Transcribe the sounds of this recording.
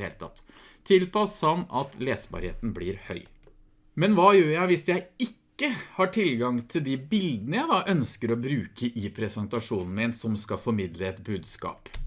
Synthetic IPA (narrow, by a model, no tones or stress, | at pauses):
ḛlət̪ʰɑ̰t̪ʰː | ɪlpɑshɑnɑt̪leːsbɑ̰ːɾhḛːt̪n̩blɪɾhœʏ | mɛnʋɑːjøːɾjæɪʋɪsjæɪɪkːəhɑʈʰɪlɡɑŋt̪ʰɪld̪ɪbɪld̪ənəjæɪd̪ɑɪʔœnskəɾɔbɾʉːkəʔipʰɾɛsɛnt̪ɑʂuːnn̩mɪnsɔmskɑfɔɾmɪd̪ləɛt̪bʉːd̪skɑ̰ːp